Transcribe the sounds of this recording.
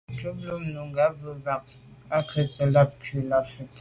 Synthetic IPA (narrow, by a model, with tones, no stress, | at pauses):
t͡ʃə˦p̚lo˦mnu˨ŋɡa˨˦və˦ɡa˦˨k̚ | a˦kʰə˨t͡sə˨la˦p̚kʰu˨la˦˨fə˨t